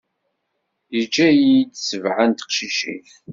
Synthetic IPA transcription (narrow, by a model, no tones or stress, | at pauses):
id͡ʒæjid̪səvʕant̪ə̥qʃiʃḭθ